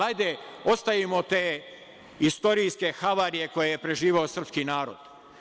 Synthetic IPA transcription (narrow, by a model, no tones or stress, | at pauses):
ajd̪eo̞st̪ajimo̞t̪eː | ist̪o̞ɾijske̞xaʋaːɾije̞ko̞jejepɾe̞ʒiːʋeosr̩pskinaːɾo̰d̪̥